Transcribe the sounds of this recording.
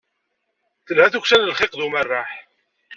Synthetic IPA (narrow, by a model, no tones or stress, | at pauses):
θəlhæθuçsænəlχɪqðumərːaħ